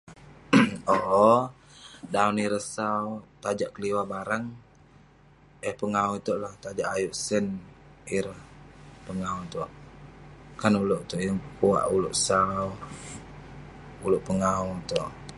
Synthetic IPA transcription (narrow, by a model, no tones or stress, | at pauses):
oʔɔ | dauniɾəhsawt̪ad͡ʒaʔkəliwabaɾaŋ | əhpəŋauit̪oʔlaht̪ad͡ʒaʔajuʔsəniɾəhpəŋaɦut̪oʔ | kanuloʔt̪oʔjəŋpəkua̰ʔulo̰ʔsaw | uloʔpəŋaɦut̪oʔ